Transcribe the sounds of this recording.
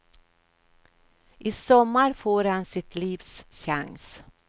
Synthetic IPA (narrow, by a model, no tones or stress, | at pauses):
ʔiːsɔmːaɾfoːɾhansɪt̪liːvsɕa̰ŋs